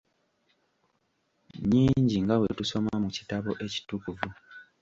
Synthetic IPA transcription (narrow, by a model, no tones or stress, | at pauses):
ɲiːɲɟiŋɡawetuso̞mamuci̥taβo̞ʔe̞ci̥tukuvu